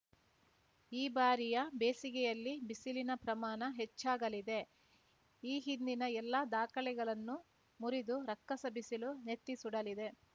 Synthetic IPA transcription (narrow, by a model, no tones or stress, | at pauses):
iːbaːɾijɐbeːsiɡɛjɐlːibisilinɐpɾɐmaːnɐɦet͡ʃːaːɡɐlid̪e̞ | iːɦind̪inɐɛlːɐd̪aːkɐɭɛɡɐɭɐnːu | muɾid̪uɾɐkːɐsɐbʱisilunet̪ːisuɽɐlid̪e̞